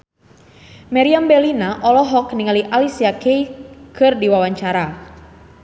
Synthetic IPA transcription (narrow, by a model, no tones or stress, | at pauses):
maɾiambɛlinaʔɔlɔɦɔk̚niŋaliʔalisiakejkɨrdiwawaɲt͡ʃaɾa